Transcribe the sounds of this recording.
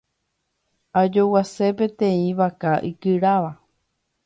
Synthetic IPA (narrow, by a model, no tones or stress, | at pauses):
ad͡ʒo̞wasepẽt̪ẽĩʋakaʔikɨɾaʋa